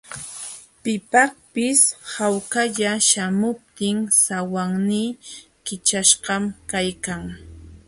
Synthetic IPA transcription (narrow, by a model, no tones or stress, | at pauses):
pɪpakpɪshawkaʎaʃamʊp̚t̪ɪŋsawaŋniː | kɪt͡ʃaʃɢɑmkajkaŋ